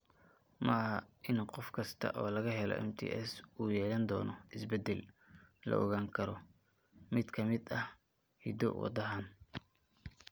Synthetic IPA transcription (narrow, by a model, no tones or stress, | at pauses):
mɐɦɐʔɪnqɔfkʰɐst̪ʰɐ̰ʔɔːlɐɣɐɦɛlɔ̰ʔɛ̰mt̪ʰḭːʔɛsuːjɛːlɐnd̪ɔːnɔʔɪsbɛd̪ɛllɐ̰ʔɔ̰ɣaːŋkʰɐɾɔ | mɪd̪kʰɐmɪd̪ɐh | hḭd̪ɔ̰wɑ̰d̪ɐɦan